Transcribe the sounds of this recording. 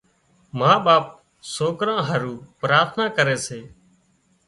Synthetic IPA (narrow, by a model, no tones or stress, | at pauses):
maːɓaːp̚ | soːkɾãːɦəɾuːpɾaːɾt̪ʰnãːkəɾeːseː